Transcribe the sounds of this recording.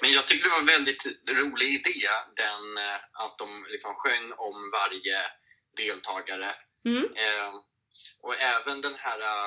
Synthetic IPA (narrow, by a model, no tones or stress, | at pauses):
mɛnjɑːɡ̚t̪ʰʏk̚t̪əɖɾɛvaɾvɛld̪ɪt̪ɾuːlɪɡɪd̪eːd̪ɛnat̪̚d̪ɔmlɪksɔmɧœŋːɔmvaɾjə | d̪eːlt̪ʰɑːɡaɾə | ʔɔɛːvənd̪ɛnhæːɾa